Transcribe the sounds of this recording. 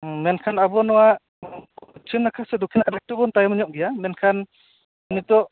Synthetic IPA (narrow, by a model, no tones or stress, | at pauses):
mɛnkʰanabɔnɔwaʔ | t͡ʃʰɯnːakʰasɛdɔkʰinadak̚tubɔntajmɔɲɔʔ̚ɡijamɛnkʰan | nitɔ